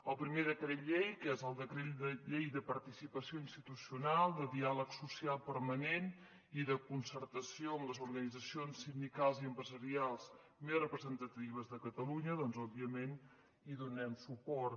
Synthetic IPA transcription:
əlˠpɾimeðəkɾet̪ʎejkɛzəlˠd̪əkɾet̪d̪əʎejðəpəɾt̪isipəsioinst̪it̪usiunalˠd̪əðialəksusialˠpəɾmənen | iðəkunsəɾt̪əsijoəmləzuɾɣənid͡zəsionsind̪ikalˠziəmpɾəzəɾialˠz | mesrəpɾəzənt̪ət̪iβ̞əzðəkət̪əluɲəðɔnzɔbiəmen | iðunɛmsupɔɾ

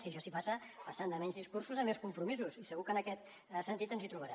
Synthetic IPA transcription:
siəʃɔsipasəpəsand̪əmɛɲzðiskursuzəmːeskumpɾumizusisəɣukənəkɛt̪ | sənt̪it̪ənzit̪ɾuβəɾɛ

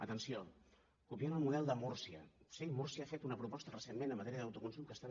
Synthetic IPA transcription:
ət̪ənsio | kupianəlˠmuðɛlˠd̪əmursiə̰semursiaafet̪unəpɾupɔst̪ərəsenmenəmːət̪ɛɾiəðəwt̪ukunsumkəst̪a

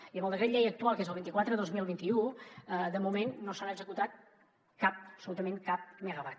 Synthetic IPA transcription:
iəmbəlˠd̪əkɾet̪ʎejək̚t̪ualkezəlˠβint̪ikwat̪ɾəðozmilˠβint̪iuəd̪əmumenːosanaəɡzəkut̪at̪̚ | kap̚əpsulut̪əmẽŋkap̚məɣəβat̪

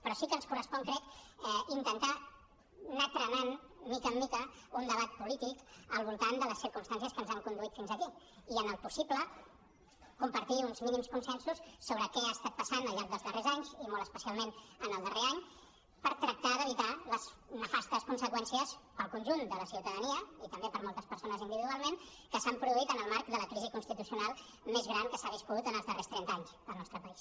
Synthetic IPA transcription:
pɾɔsikənskurəspɔŋkɾɛkɛint̪ənt̪a | nak̪ɾənan | mːikəmːikəund̪əβ̞at̪̚pulit̪ikəlˠβulˠt̪and̪ələsiɾkumst̪ans̬jəskənzaŋkund̪uit̪finzəki | iənəlˠpusiblə | kumpəɾt̪iunzminimskunsɛnsusːoβɾəkɛast̪at̪̚pəsanəlˠʎːaɾk̚d̪əlˠzðərʔezaɲzimolˠə̥spəsialˠmenənəlˠd̪əreaɲ | pəɾt̪ɾək̚t̪aðəβit̪aləsnəfast̪əskunsəkwɛnsiəspəlˠkunʲʒund̪ələsiwt̪əðəniəit̪əmbepəɾmɔolˠt̪əspəɾsonəzind̪iβiðualˠmen | kəsampɾuðuit̪ənəlˠmaɾk̚d̪ələkɾizikunst̪it̪usiunalˠ | mezɣɾankəsaβ̞iskuðut̪ənəlˠzðərest̪ɾɛnaɲzəlˠnɔst̪ɾəpəis

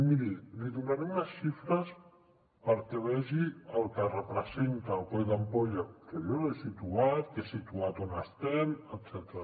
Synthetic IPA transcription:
miɾiliðunaɾeunasʃifɾəs | pəɾt̪eβɛʒiəlˠkərəpɾəzent̪aːlkojd̪ampoʎakeʎonesit̪uat̪kesit̪uat̪onast̪emət̪sɛt̪ɾa

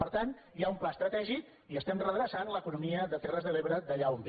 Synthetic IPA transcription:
pəɾt̪an | jaumplast̪ɾət̪ɛʒik | iəst̪ɛmrəðɾəsanləkunumiəðət̪ɛrəzðəleβɾəðəʎaumb

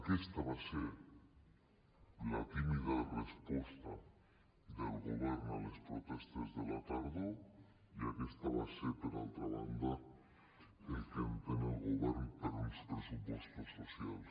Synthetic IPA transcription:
kɛst̪aβaseɾ | lat̪iβiðarespɔst̪a | d̪elɣuβɛɾnalespɾot̪ɛst̪ezðelat̪aɾðo | iakest̪aβaseɾpeɾa̰lˠt̪ɾaβa̰nd̪a | elk̪empenelɣoβɛrnpəɾmispɾesupost̪asosial

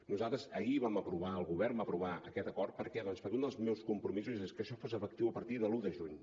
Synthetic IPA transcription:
nuzalˠt̪ɾəzəiβaməpɾuβaəlˠɣuβɛrmbapɾuβaəkɛt̪əkɔrt̪̚pəɾkɛðɔnspəɾkund̪əlˠzmewskumpɾumizuzeskəʃɔfozəfək̚t̪iwəpəɾt̪iðəluðəʒuɲ

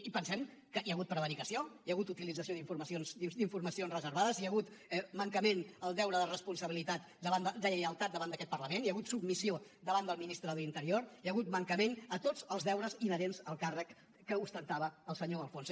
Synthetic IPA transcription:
ipənsɛmkəʔiəɣut̪̚pɾəβəɾikəsioijəɣut̪ut̪ilid͡zəsioðiɱfuɾməsionsd̪id̪iɱfuɾməsionzrəzəɾβaðəziəɣut̪ | ɛməŋkəmenəlˠd̪ɛwɾəðərəspunsəβilit̪at̪̚ | d̪əβand̪əd̪əəjəlˠt̪at̪̚d̪əβand̪əkɛt̪pərləmeniəɣut̪submisiod̪əβand̪əlˠminist̪ɾəðəlint̪əɾioɾiəɣut̪̚məŋkəmenət̪ozəlˠzðɛwɾəzinəɾenzəlˠkarəkː | əust̪ənt̪aβəːlˠsəɲoəlˠfons

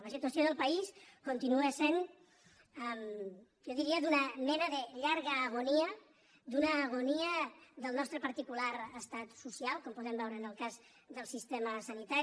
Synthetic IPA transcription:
ləsit̪uəsjoðəlˠpəiskunt̪inuesen | əm | jɔðiɾiəd̪unəmɛnəðəʎaɾɣəːɣ̞oniə | d̪unəːɣ̞uniəðəlˠnɔst̪ɾəpəɾt̪ikulaɾəst̪at̪susialˠkɔmpuðɛmbɛwɾəːnəlˠkaz | ðəlˠsist̪eməsənit̪aɾ

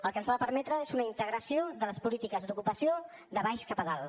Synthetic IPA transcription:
əlˠkənβaðəpəɾmɛt̪ɾəezunəint̪əɣ̞ɾəsioðələspulit̪ikəzd̪ukupəsijo | ðəβajʃkapəðalˠ

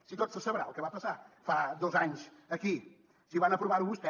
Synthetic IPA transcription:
sit̪ot̪səsəβɾalˠkɛβapəsafad̪ozaɲzəki | siβanəpɾuβaɾuβust̪ɛ

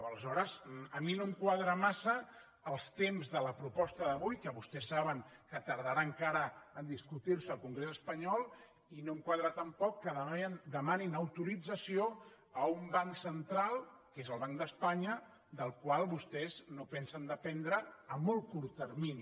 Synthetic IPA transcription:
ələzɔɾəzəminomkwaðɾəmasəː | lˠst̪emzðələpɾupɔst̪əðəβujkəβust̪ɛsːaβəŋkət̪əɾð̞əɾaŋkaɾəənd̪iskut̪iɾsəːlˠkuŋɡɾezəspəɲɔlˠ | inomkwaðɾat̪əmpɔkːəðəd̪əmaninəwt̪uɾid͡zəsio | əumbaŋsənt̪ɾalˠkezəlˠβaŋkd̪əspaɲə | d̪əlˠkwalˠβust̪ɛznopɛnsənd̪əpɛnd̪ɾəːmːɔlˠkuɾt̪ːərmini

